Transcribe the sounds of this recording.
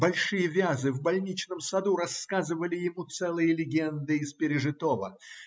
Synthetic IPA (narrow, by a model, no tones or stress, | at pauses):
bɐlʲʂɨjəvʲazɨvbɐlʲnʲit͡ɕnəmsɐd̪uɾɐskazɨvəlʲɪjɪmut̪sɛlˠɨjəlʲɪɡʲend̪ɨɪspʲɪɾʲɪʐɨt̪ovə